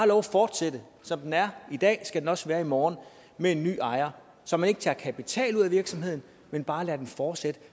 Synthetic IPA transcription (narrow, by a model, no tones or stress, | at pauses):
hɑ̈lɒʊæfɒːd̥sed̥ə | sɒ̽md̥enæɐid̥ɛ̰ːsɡ̥æd̥enɒ̽sʋæːɐimɒːn | mee̝nːy̰ːɑ̈ɪɐ | sɒ̽mæne̝ɡ̥ət͡sʰɑ̈ːɐkʰæpʰit͡sʰɛ̰ːluðˠæʋiɐɡ̥sɒ̽mɦe̝ð̰ˠn̩ | menb̥ɑ̈ːlæːɐd̥enfɒːd̥sed̥ə